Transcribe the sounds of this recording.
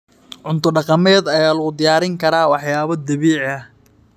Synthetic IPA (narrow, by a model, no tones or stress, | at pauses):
ʕʊnt̪ʰɔɖɑqɑmɛːd̪ɐjaːlɐɣʊd̪ɪjaːɾɪŋkʰɐɾaːwɑħjaːβɐd̪ɐβiːʕɐh